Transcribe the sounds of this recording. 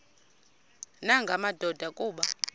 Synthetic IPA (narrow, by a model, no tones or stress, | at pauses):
naŋɡʱamad̥ʱɔd̥ʱakʼuːɓa